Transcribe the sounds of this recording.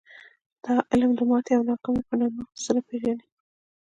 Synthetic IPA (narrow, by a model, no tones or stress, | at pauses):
d̪̥ɑʔɪlmd̪əmɑt̪eawnɑqɑmepənɑməxsaɾapeʒani